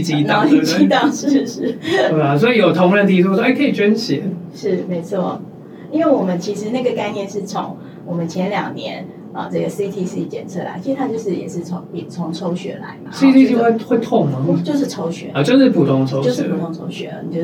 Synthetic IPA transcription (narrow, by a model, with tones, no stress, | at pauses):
t͡ɕi˨˥t̪ɑ˥˨˦i˥˧t͡ɕi˧˥t̪ɑ˥˧ʂɻ̩˥˩ʂɻ̩˥˩e˥˩a˨˩s̬wɔ˧˥i˨˩jo˨˩ʊt̪ʰo˧˥ŋɻə˧˩nt̪ʰi˧˥t͡sʰu˥se˥˩kʰə˧˥i˨˩t͡ɕɥɛ˥nɕɛ̰˨˦ʂɻ̩˥˩me˧˥ɪt͡sʰwɔ˥˩ | i˥nwe˥˩ɪwɔ˨˩mə˦nt͡ɕʰi˧˥ʂɻ̩˧˥na˥˩ɡə˩ka˥˧ɪnjɛ˥˧nʂɻ̩˥˩t͡sʰo̰˧˥ŋ | wɔ˨˩mə˨˦nt͡ɕʰjɛ˧˥nljɑ̰˨˩ŋnjɛ˧˦n | ə̰˨ʈ͡ʂɤ˥˩ɡə˩si˥t̪ʰi˥si˥t͡ɕjɛ̰˨˩nt͡sʰɤ̰˥˩la̰˨˧˥ɪt͡ɕʰi˧˥ʂ̩ɻt̪ʰa˥jo˥˧ʊʂɻ̩˥˩jɛ̰˨˩ʂɻ̩˥˩t͡sʰo˧˥ŋpi˨˩t͡sʰo˧˦ŋt͡sʰo˧˥ʊɕɥɛ̰˧˥la̰˨˧˦ɪba˨si˥˧t̪ʰi˥˧so˥˧we˥˧xwe˥˧ɪt̪ʰʊ˥˧ŋə˨˥t͡ɕjo˥˧ʊʂ̬ɻ̩˥˩t͡sʰo˧˥ʊɕɥɛ̰˧˦ə˨t͡ɕjo˥˧ʊʂ̬ɻ̩˥˩pʰu˨˩t̪ʰoʊ˥˧ŋʈ͡ʂʰo˧˥ʊjo˥ʊʂ̩˥˧pu˨˩t̪ʰo˥˧ŋt͡sʰo˧˥ʊɕɥɛ̰˧˦˧ni˨˩t͡ɕjo˥˧